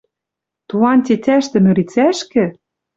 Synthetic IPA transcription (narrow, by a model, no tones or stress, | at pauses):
t̪ulɑnt̪ʲet̪ʲæʃt̪ɘ̆my̆ɾit͡sæʃkɘ̆